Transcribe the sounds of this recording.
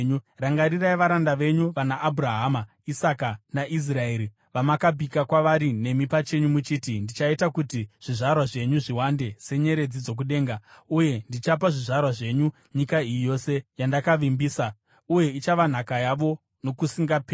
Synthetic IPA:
ɲuraŋɡaɾiraiʋaɾandaʋe̞ɲuʋanaʔːbʱɾaɦama | isakanaʔis̬rae̞ːɾi | ʋamakabʱikakwaʋaɾine̞mipat͡ʃe̞ɲumut͡ʃiːtindit͡ʃaitakutiʐ̥iʐarwaʐe̞ɲuʐiwande̞se̞ɲe̞ɾe̞d͡zid͡zo̞k̬uɗe̞ːŋɡauje̞ndit͡ʃap̬aʐiʐarwaʐe̞ɲu | ɲikaijo̞se̞jandakaʋimbiːsa | uje̞it͡ʃaʋan̤akajaʋo̞ | no̞kusiŋɡape

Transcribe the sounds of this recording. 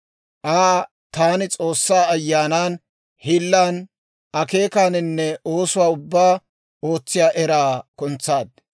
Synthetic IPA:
ʔaː | t̪aːnɪt͡sʼo̞ːsːaːɐjːaːnaːn | hɪlːaːn | ʔɐke̞ːkaːnɪnːɛʔo̞ːsʊwaːʊbːaː | o̞ːt͡sːɪjaːʔɛɾaːkʊnt͡sːaːd̪̚

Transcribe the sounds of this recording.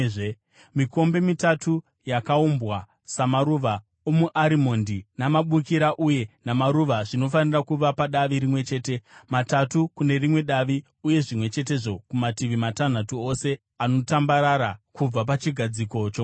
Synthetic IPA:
miko̞mbe̞mitatu | jakaumbwa | samaɾuʋa | omuʔaɾimo̞ndinamaɓukiɾaʔuje̞namaɾuʋaʐino̞fanirakuʋapaɗaʋiɾimwe̞t͡ʃe̞ːte̞matatukune̞rimwe̞ɗaʋi | uje̞ʐimwe̞t͡ʃe̞t̬e̞ʐo̞kumatiʋimatan̤atuo̞se̞ | ano̞tambaɾaɾakub͡vap̬at͡ʃiɡʱad͡ziko̞t͡ʃo

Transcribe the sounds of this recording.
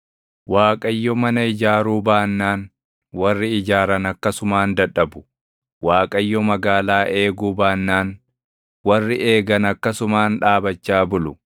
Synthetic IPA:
waːkʼɐjːɔmɐnɐɪd͡ʒaːɾuːbaːnːaːn | wɐrːɪɪd͡ʒaːɾɐnɐkːɐsʊmaːnd̪ɐᶑɐbʊ̥ | waːkʼɐjːɔmɐɡaːlaːʔe̞ːɡuːbaːnːaːn | wɐrːɪʔe̞ːɡɐnɐkːɐsʊmaːnᶑaːbɐt͡ʃːaːbʊlʊ

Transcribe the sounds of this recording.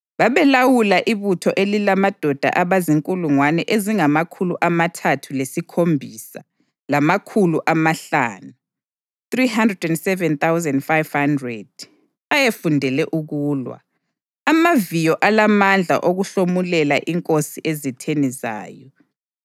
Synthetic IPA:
βaβɛlawulaʔiβutʰɔʔelilamad̥ʱɔd̥ʱa̰ʔaβaziŋkʼuluŋwanɛʔeziŋamakʰuluʔamatʰatʰulesikʰombʱisa̰ | lamakʰuluʔamaɬa̰ːnu | θriɦandrɛdɛndsɛvɛnt̪awzɛndfajvhandrɛd̥̚ | ajefundʱɛlɛʔuɣuːlwa̰ | amavijɔʔalamand͡ɮʱa̰ʔoɣuɬomulɛlaʔiŋkʼosiʔezitʰeniza̰ːjɔ

